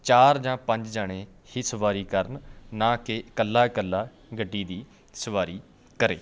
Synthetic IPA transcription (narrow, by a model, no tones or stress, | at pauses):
t͡ʃaːɾd͡ʒãːpə̃ɲd͡ʒd͡ʒaɽ̃ẽː | hiːsəʋaːɾiːkəɾnnãːkɪkəlːaːkəlːaː | ɡəɖːiːd̪iː | səʋaːɾiː | kəɾḛː